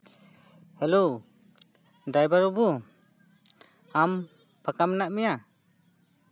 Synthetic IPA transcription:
hɛlow | dajbaɾubu | am | pʰakamnaʔmɛja

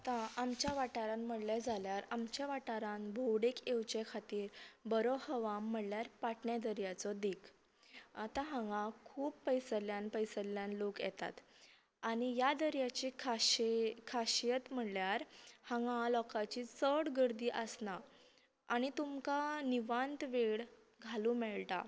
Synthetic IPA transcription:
at̪aamt͡ɕjaʋaʈaɾãnm̤əɽlad͡zʱaljaɾamt͡ɕjaʋaʈaɾãnbʱowɽekʰewt͡ɕekʰat̪iːɾbəɾɔhəʋamːəɽljaɾpaʈɳjad̪əɾjat͡sɔd̪ekʰ | at̪ãɦãŋɡãkʰuːpːəjsəljanpəjsəlːjanlokjɛ̰t̪a̰t̪ | aɽ̃ijad̪əɾjat͡ɕikʰaɕkʰaɕijət̪m̤əɽljaɾhãŋɡãlɔkat͡ɕit͡səɽɡəɾd̪iːʔəsna | aɽ̃it̪umkaniʋãnt̪ʋeɽ | ɡʱalũmɛɭʈ̪a̰

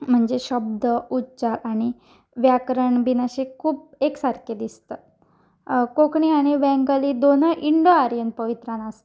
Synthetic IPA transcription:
m̤əɳd͡zeɕəb̚d̪ʱəutːt͡ɕaɾʔaɽ̃i | ʋjakɾəɳbinaɕikʰuːpeksaɾkʰed̪ist̪ə | kokɳiaɽ̃iʋɛ̃ŋɡəlid̪onəʔiɳɖoaɾiən̚pəʋit̪ɾãnas

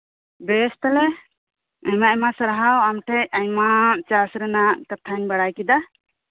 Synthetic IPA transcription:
bɛst̪alɛ | ajmaɛmasəɾɦawamʈʰɛjajmat͡ʃasɾɛnakət̪ʰanbaɽajkid̪a

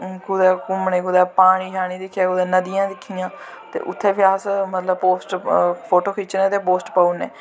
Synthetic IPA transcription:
kʊd̪ɛːkʊmneːkʊd̪ɛːpaːɽ̃iːɦʰaːɽ̃iːd̪ɪkʰːjaːkʊd̪ɛːnəd̪ijãːd̪ɪkʰːijãː | t̪ḛːʔʊt̪ʰːeːʋɪjaːsmət̪ləb̚poːsʈpʰoːʈoːkʰiːt͡ʃneːt̪eːpoːsʈpaunḛː

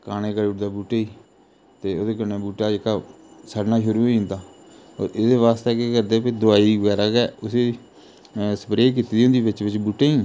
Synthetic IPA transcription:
kaːneːkəɾʊʈd̪aːbuːʈeːiː | t̪eːoːd̪eːkəɾneːbuːʈaːd͡ʒekaː | saːɖnaːʃʊɾuːoĩnd̪aː | o̰ːɾed̪eːʋaːst̪eːkeːkəɾd̪eːped̪ʊaːiːʋəɡɛːɾaːkɛːʊseː | sə̥pɾeːkit̪iːd̪iõnd̪iːbɪt͡ʃʋɪt͡ʃbuːʈeːĩː

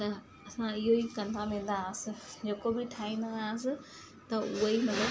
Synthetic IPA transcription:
t̪ɐ | ɐsãɪɦoikɐ̃nd̪ʱamẽ̆ːd̪aəsɪ̆d͡ʑekobʱɪʈʰaːĩnd̪ənd̪aːəsɪ̆ | t̪ɐʊɦəimɐt̪ləb

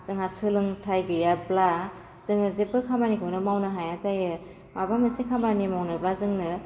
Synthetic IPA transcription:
z̥ɯŋhasɯlɯŋtʰajɡɯjabla | z̥ɯŋnɯzepːɯkʰambanikʰɯwnɯmawnɯɦajazajɯ | mabamɯsekʰambanimawnɯblazɯŋnɯ

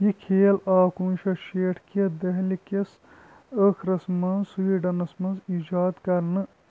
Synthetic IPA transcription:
jikʰeːlaːkunt͡ʃʰɐʃeːʈʰked̪ɐɦlikes | əkʰɾɐsmɐnsuʋiɖɐnɐsmɐnziːd͡ʒaːd̪kɐɾnɨ

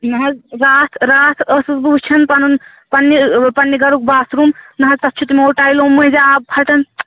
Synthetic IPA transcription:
nɐɦɐzɾaːt̪ʰɾaːt̪ʰəsɨzbubt͡ʃʰɐnpɐnun | pɐnːipɐnːiɡɐɾuk̚baːsɾumnɐɦɐzt̪ɐtːt͡ʃʰut̪imowʈaːjlomːuzaab̚pʰɐʈɐn

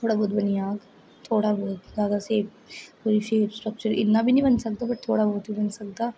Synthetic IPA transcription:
t̪ʰoːɽabʱoːt̪bənijaːɡ | t̪ʰoːɽaboːt̪ɡaːɡ̪aseːp | puɾiʃeːpsʈɾək̚t͡ɕəɾɪ̰nːabʱiːnĩbənsək̚d̪abəʈ̚t̪ʰoːɽabʱoːt̪bʱibənsək̚d̪a

